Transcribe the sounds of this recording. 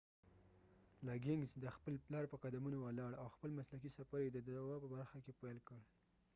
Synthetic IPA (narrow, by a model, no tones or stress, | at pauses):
lɑɡɪŋɡzd̪əxpəlplɑɾpəqad̪amunowəlɑɽawxpəlmaslak̬isafaɾjed̪əd̪aawɑpəbaɾxakepajlkəɽ